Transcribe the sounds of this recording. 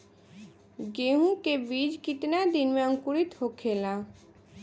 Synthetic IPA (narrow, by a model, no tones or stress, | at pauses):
ɡeɦũkebid͡ʒkit̪nad̪inmeaŋkuɾit̪hokʰela